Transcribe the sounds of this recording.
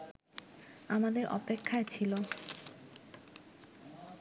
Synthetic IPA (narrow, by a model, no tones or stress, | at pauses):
amad̪eɾʔɔ̰pekʰːaet͡ɕʰilo